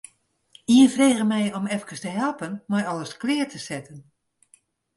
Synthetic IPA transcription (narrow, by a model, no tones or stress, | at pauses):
iənfreːɣəmɛjɔmɛfkəstəɦɛlˠpənmajɔləsklɪərtʰəsɛtən